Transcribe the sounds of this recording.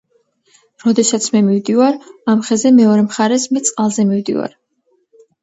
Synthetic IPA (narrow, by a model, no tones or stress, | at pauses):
ɾɔd̪ɛsat̪sʰmɛmivd̪ivaɾamχɛzɛmɛɔɾɛmχaɾɛsmɛt̪sʼqʼalˠzɛmivd̪ḭva̰ɾ